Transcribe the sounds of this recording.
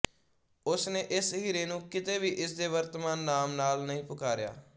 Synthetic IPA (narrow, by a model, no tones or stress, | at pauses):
ʊsneːʔɪsɦiːɾeːnũːkɪt̪eːʋiːʔɪsd̪eːʋəɾt̪əmaːnːaːmnaːlnəĩːpʊkaːɾɪja̰ː